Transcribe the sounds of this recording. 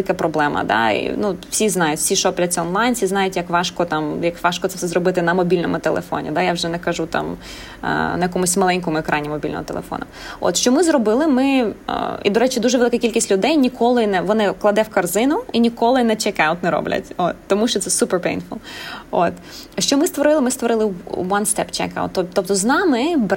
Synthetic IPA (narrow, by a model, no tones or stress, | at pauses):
lˠɪkɐpɾɔblˠɛmɐ̰d̪ɑ̰ḭnuw̥sʲiznɑjʊtʲfsʲiʃɔplʲɐt͡sʲɔnlˠɑjnsʲiznɑjʊtʲjɐkʋɑʃkɔt̪ɑmjɐkʋɑʃkɔt̪sɛsɛzɾɔbɪt̪ɪnɐmɔbʲilʲnɔmʊt̪elˠḛfɔ̰nʲḭd̪ajawʒɛnɛkɐʒut̪ɑ̰m̰ | nɐjɐkɔmʊsʲmɐlˠɛnʲkɔmʊɛkɾɑnʲimɔbʲilʲnɔ̰mʊt̪elˠefɔ̰nɔ̰o̰t̪ʃt͡ʃɔmɪzɾɔbɪlˠɪmɪ̰ | ḭd̪ɔɾɛt͡ʃɪd̪uʒɛʋelˠɪkɐkʲilʲkʲisʲtʲlʲʊd̪ɛjnʲikʰɔlˠɪnɛʋɔnɪklˠɐd̪ɛwkɐrzɪnʊinʲikɔlˠɪnɛt͡ʃɛkaʊt̪nɛɾɔ̰blʲɐ̰tʲot̪ːɔmuʃt͡ʃɔt̪sɛsupɛrpḛjnfʊlˠot̪ | ʃt͡ʃɔmɪst̪ʋɔɾɪlˠɪmɪst̪ʋɔɾɪlˠɪʋɐnst̪ɛpt͡ʃɛ̰ka̰ʊt̪ːɔt̪ɔp̚t̪ɔznɑmɪb